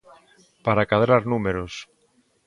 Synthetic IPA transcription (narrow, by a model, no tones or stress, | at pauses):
paɾakaðɾaɾnumeɾos